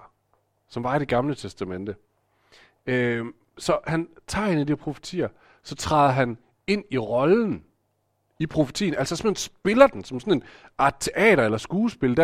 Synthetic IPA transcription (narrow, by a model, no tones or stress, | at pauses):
sɒ̽mʋɑ̈id̥e̝ɡ̥ɑ̈mlət͡sʰesd̥æmen̰d̥ə | ø | sɒ̽hænt͡sʰɑ̰̈ːhe̝nəd̥iɐpʰʁo̝fə̥t͡sʰḭːɐ | sɒ̽t͡sʰʁɑ̈ðˠɐɦæn | e̝n̰iʁɒ̽ln̩ | ipʰʁo̝fə̥t͡sʰḭːnælsɒsemensb̥e̝lɐd̥ensɒ̽msɔ̽ne̝nɑ̈t͡sʰe̝ʔɛ̰ːɾ̥ɐelɐsɡ̥uːsb̥e̝ləd̥æ